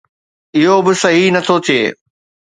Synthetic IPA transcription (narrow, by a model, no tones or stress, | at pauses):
ɪɦobɪsɐɦinɐt̪ʰot̪ʰieː